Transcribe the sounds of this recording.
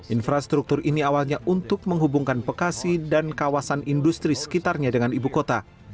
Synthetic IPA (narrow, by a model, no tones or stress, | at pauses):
ʔinfɾast̪ɾuk̚t̪ʊriniawalɲaʔunt̪ʊk̚məŋɦubuŋkanpəkasidankawasanindust̪ɾisə̥kit̪arɲadəŋanibukot̪a